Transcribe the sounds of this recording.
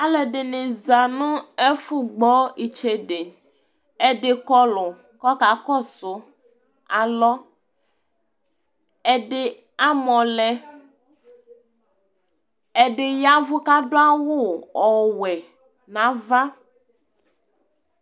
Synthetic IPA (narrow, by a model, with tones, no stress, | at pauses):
a˦lɛ˨ɖɪ˨nɪ̃˨za˨nũ˦e˦fu˦ɡ͡bɔ˦i˨t͡ʃe˨˦ɖe˨ | e˦ɖɪ˨kɔ˦lʊ˨ | kɔ˦ka˨kɔ˦˨sʊ˨ | a˨lɔ˦ | ɛ˦ɖɪ˦ | a˦mɔ̃˨lɛ˨ | ɛ˨ɖɪ˨ja˦vʊ˦ka˦ɖo˦a˦wo˦ɔ˨wɛ˨ | nã˨˦va˦